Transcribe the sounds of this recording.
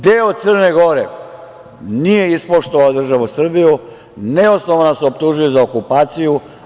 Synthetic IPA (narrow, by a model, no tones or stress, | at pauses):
d̪eːot̪sər̩neɡo̞ɾe | nije̞ispoʃt̪oʋaod̪r̩ʒaʋusr̩biju | neosnoʋanaseopt̪uʒujozaokupaːt̪siju